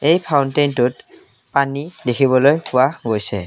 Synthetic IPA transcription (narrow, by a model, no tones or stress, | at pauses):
ejpʰaʊntejntʊt̚ | panidexʰiβɔlojpʊaɡojsɛ̰